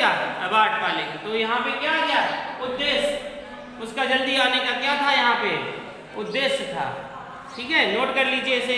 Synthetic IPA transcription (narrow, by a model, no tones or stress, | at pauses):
aːɐbaːʈ̚paːlekit̪ojɐɦãpekjakɐjaɛʊd̪ːeːs | ʊskad͡ʒɐld̪iaːnekakjat̪ʰajɐɦãpe | ʊd̪ːeːst̪ʰa̰ː | ʈʰiːkɦɛnoːʈkɐɾliːd͡ʒieɪse